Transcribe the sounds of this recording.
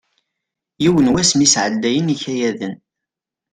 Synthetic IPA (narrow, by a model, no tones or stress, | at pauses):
jiwənwæsmisʕəlːæjəniçæjæðən